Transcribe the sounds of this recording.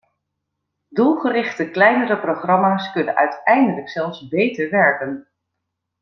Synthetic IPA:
dulˠχərɪχtəklɛjnərəproχrɑmaːskɵnə̰nʔœ̰ɥtɛjndələksɛlˠfsbejtəɹʋɛɹkən

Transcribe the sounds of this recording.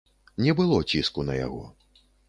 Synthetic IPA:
nʲɛbɨlˠɔt͡sʲiskunɐja̰ɣɔ̰

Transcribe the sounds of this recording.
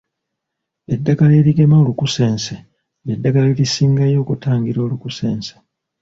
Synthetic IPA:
e̞dːakale̞ːɾiɡe̞maolukuse̞ːnse | edːakaleɾisiːŋɡajo̞ːkutaːŋɡiɾo̞ːlukuse̞ːnse̥

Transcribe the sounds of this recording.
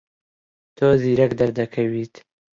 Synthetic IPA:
t̪ʰoziːɾɐkd̪ɐɾd̪ɐkʰɐwiːt̪

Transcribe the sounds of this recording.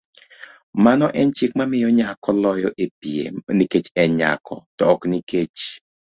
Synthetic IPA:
manɔʔɛnt͡ʃɪkmamɪjɔɲakɔlɔjɔʔepiḛniket͡ʃɛɲa̰kʰɔ̰tɔːkniket͡ʃ

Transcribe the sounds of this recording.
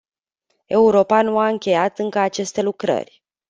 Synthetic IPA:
e̞uɾo̞panuaɨŋkʲe̞jat̪ɨŋkəat͡ʃe̞st̪e̞lukɾə̰rʲ

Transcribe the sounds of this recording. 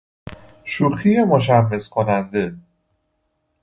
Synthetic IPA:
ʃuxijemoʃ̬æmːeskʰonænd̪e

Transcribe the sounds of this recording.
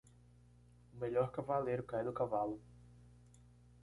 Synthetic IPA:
ʊmeʎɔɾkavalejɾʊkajd̪ʊkavalʊ

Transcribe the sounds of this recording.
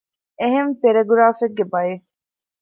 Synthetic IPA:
eɦempeɾɐɡuɾaːfeɡːebɐje

